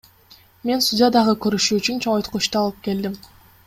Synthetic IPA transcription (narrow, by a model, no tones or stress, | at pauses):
me̞nst̪udʲɪjad̪ɑʁɯkø̞ɾyʃyːt͡ʃynt͡ʃʰoŋojt̪qut͡ʃt̪uɑlˠɯp̚ke̞ld̪im